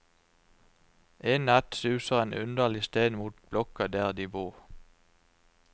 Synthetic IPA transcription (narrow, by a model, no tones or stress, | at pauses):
ʔeːnæt̪sʉːsəʁeːnʔʉnd̪əlɪst̪eːnmuːt̪̚b̥lɔkəd̪æːʁd̪iːbuːʁ